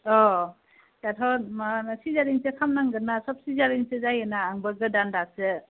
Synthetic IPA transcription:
ɔ | tatʰɔnmasizaɾiŋsekʰamnaŋɡɯnasɔp̚sizaɾiŋsɯzajɯnaːŋbɯɡɯdandak̚sɯ

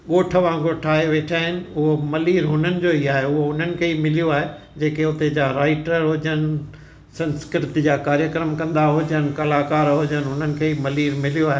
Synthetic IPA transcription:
ɠoːʈʰəʋãːŋɡoʈʰaːɦeʋeːʈʰaːɦɪnɪ̆ʊɦomɐliːɾɦʊn̤ənɪ̆d͡ʑoːiaːɦeʊɦoʊn̤ənɪ̆kʰeːimɪlijoaːɦe | d͡ʑeːkeʊt̪ed͡ʑaɾaːɪʈəɾɦʊd͡ʑənɪ̆ | sɐ̃nskɪɾɪt̪id͡ʑaːkaːɾjəkɾəmkɐ̃nd̪aɦʊd͡ʑənɪ̆kɐlaːkaːɾɦʊːd͡ʑənɪ̆ɦʊn̤ənɪ̆kʰeːimɐliːɾmɪlijoaːɦe

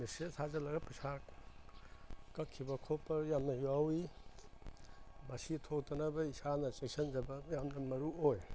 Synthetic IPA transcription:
misesʰazɐlɐɡɐpɐsa | kɐkʰːibɐkʰopɐɾjamnɐjuawi | mɐsitʰok̚tɐnɐbɐisanɐt͡ʃeksɐnd͡ʒɐbɐjamnɐmɐɾuoj

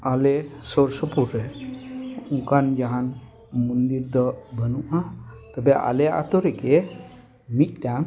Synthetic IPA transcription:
alesoɾsəpuɾe | uŋkand͡ʒaɦan | mund̪iɾd̪əbʱənuʔãt̪əbeʔa̰lea̰t̪oɾeke | mit̚ʈãŋ

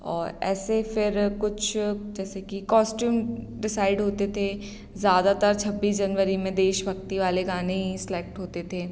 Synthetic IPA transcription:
ɔ̰ːɾɛ̰ːsefɪɾkʊt͡ʃʰd͡ʒɛːsekikɔːsʈjuːm | ɖɪsaːɪɖɦoːt̪et̪ʰe | zjaːd̪at̪əɾt͡ʃʰɐbːiːsd͡ʒɐnʋəɾimẽd̪eːʃbʱɐkt̪iʋaːleɡaːneɦisɪleːk̚ʈɦoːt̪et̪ʰeː

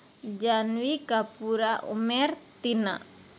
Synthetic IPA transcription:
d͡ʒanwikapuɾaṵmɛr | t̪ina̰

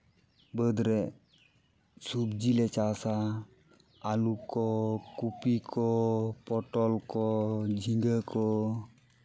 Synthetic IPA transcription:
bəd̪ɾɛ | subd͡ʒilɛt͡ʃasaː | lukɔkupikʰɔpɔʈɔlkɔd͡ʒʱiŋɡəkɔ

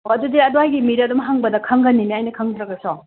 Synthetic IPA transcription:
oɐdudiɐduɦajɡimiɾɐdumɦaŋbɐdɐkʰaŋɡɐnːimiajnɐkʰaŋdɾɐɡɐsɔ

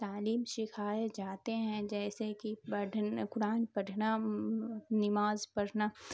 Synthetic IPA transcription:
t̪aːliːmʃɪkʰaːjed͡ʒaːt̪eɦɛ̃d͡ʒɛːsekiəɖkʊɾaːnpɐɖʱna | nɪmaːzpɐɽna

